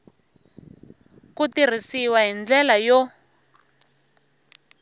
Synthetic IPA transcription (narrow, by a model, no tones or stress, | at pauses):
kutir̤isiwaɦind͡ɮɛlajɔ